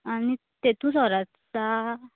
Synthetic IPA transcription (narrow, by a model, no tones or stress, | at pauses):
ani | t̪et̪ũsaɾatsa